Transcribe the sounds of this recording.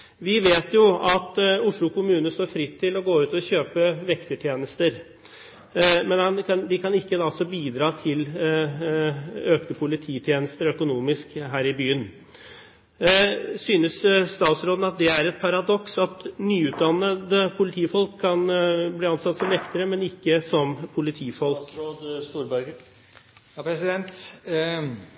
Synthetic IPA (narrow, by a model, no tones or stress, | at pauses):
ʋɪʋeːt̪jʊɑt̪ʊʂɭʊkʰʊmʉːnəst̪oːɾfɾɪt̪ʰːɪlɔɡoːʉːt̪ɔɕøːpəʋɛkt̪ət̪ʰjeːnəst̪əɾ | mɛnhɑnkʰɑnd̪ɪkʰɑnɪkːəd̪ɑsɔbiːd̪ɾɑːt̪ʰɪl | øːkt̪əpʰʊlɪt̪ʰiːt̪ʰjeːnəst̪əɾœkʊnuːmɪskɦæːɾɪbyːən | syːnəsst̪ɑːt̪sɾoːd̪n̩ɑt̪̚d̪ɛæɾɛt̪̚pʰɑɾɑd̪ɔksɑt̪nyːʉːt̪̚d̪ɑnːəd̪əpʰʊlɪt̪ʰiːfɔlkʰːɑnbliːɑnsɑt̪ːsɔmɛkt̪əɾəmɛnɪkːəsɔmpʰʊlɪt̪ʰiːfɔlkkːd̪st̪uːɾbæ | psɪd̪ɛnt̪